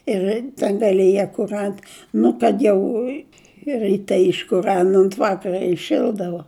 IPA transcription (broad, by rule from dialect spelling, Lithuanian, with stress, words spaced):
ɪr tɐ dɐlʲɪˈjɛ kʊr ˈɐnt ˈnʊ kɐt jɛʊ ɪ rʲɪˈtʲɛ ɪʃkʊˈrɐn oːnt ˈʋɑːkɐrɐ ɪˈʃʲɪlˠdɐʋoː